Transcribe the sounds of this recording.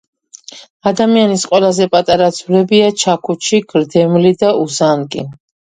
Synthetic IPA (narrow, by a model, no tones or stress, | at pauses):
ad̪amianisqʼwɛlˠazɛpʼat̪ʼaɾad̪z̥vɾɛbiat͡ʃʰakʰut͡ʃʰiɡɾd̪ɛmlid̪auzankʼḭ